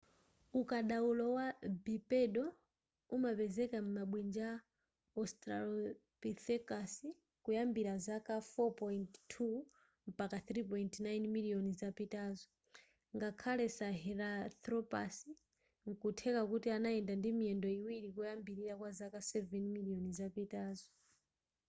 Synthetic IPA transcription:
ukaɗaulɔwabipɛɗɔ | umapɛzɛkam̩maɓwind͡ʒa | ɔstɾalɔpiθɛkasi | kujambiɾazakafɔpɔjnttʰːu | m̩pakaθɾip̬ɔjntnajnmiliɔnizapitaːzɔ | ŋɡakʰalɛsaɦɛɾat̪ɾɔpasi | ŋ̩kutʰɛkakutianaɛndandimiɛndɔiwiɾikujambiɾiɾakwazakasɛvɛnmiliɔnizapitaːzɔ

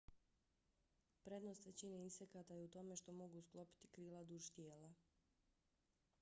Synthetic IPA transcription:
pɾe̞d̪no̞st̪ʋe̞t͡ɕineinsekat̪ajeut̪o̞me̞ʃt̪o̞mo̞ɡusklˠo̞pi̥t̪i̥kɾiːlad̪uʒt̪je̞ːla

